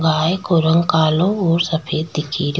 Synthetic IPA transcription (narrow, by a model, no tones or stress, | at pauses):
ɡaːekoɾə̃ŋɡkaːlõoːɾsəpʰeːd̪̚d̪ɪkʰiːɾ